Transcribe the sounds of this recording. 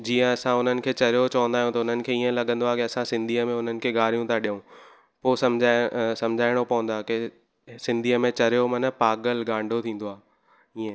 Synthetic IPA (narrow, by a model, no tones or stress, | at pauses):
d͡ʑiːə̃ɐsãʊn̤ənɪ̆kʰeːt͡ɕɐɾijot͡ɕɐʋə̃nd̪aːjũt̪ɐʊn̤ənɪ̆kʰeːiːə̃lɐɠə̃nd̪oaːkeɐsãsɪ̃nd̪ʱiːəmẽʊn̤ənɪ̆kʰeːɡaːɾ̤ijũt̪ʰaɗijũ | poːsɐmd͡ʑʱasɐ̃md͡ʑʱaːɪɽ̃opɐʋə̃nd̪aːke | sɪ̃nd̪ʱiːəmẽt͡ɕɐɾijomɐnəpaːɠəlɡãːɳɖʱot̪ʰĩːn̆d̪oaː | iːə̃